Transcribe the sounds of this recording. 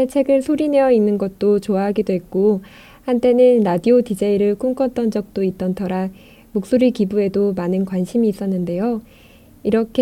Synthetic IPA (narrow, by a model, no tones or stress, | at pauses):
et͡ɕʰe̞ɡɯɭsʰoɾine̞jʌinːɯnɡʌt̚t͈ot͡ɕoaɦaɡidoɦe̞k̚k͈o | hant͈ʰe̞nɯnɾadiotid͡ʑeiɾɯɭk͈umk͈ʌt͈ʌnd͡ʑʌk̚t͈oit͈ʌntʰʌɾa | mok̚s͈oɾikibue̞domanɯnkwanɕʰimiːs͈ʌnːɯnde̞jo | iɾʌkʰe